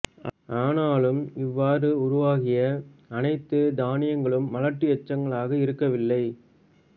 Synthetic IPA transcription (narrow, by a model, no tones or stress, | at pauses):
aːnaːlɯmɪʋːaːɾɯʊɾʊʋaːɣɪjɐːnɐɪt̪ːɯd̪aːnɪjɐŋɡɐɭɯmːɐlɐʈːɯjɛt͡ʃːɐŋɡɐɭaːɣɐɪɾɯkːɐʋɪlːɐɪ